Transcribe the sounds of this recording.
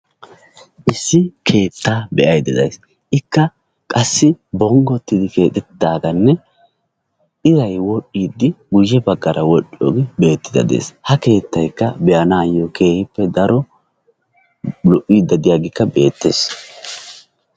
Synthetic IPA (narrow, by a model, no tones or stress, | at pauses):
ʔɪsːɪkʰe̞ːt̪ːaːbɛʔɐjd̪ɛd̪ɐ̰js | ʔɪkːɐ | kʼɐsːɪbɔŋɡɔt̪ːɪd̪ɪke̞ːt̪ʼɛt̪ːaːɡɐnːɛ | ʔɪɾɐjwɔɗːiːd̪ːɪɡʊjɛbɐɡːɐɾʔɐwɔɗo̰ːɡɪbe̞ːt̪ːɪd̪ɐ̰d̪ḛːshɐke̞ːt̪ːɐjkːɐbɛʔɐnaːjokʰe̞ːhɪpːɛd̪ɐɾɔ | lɔʔiːd̪ːɐd̪ɪjaːɡɪkːɐbe̞ːt̪ːḛːs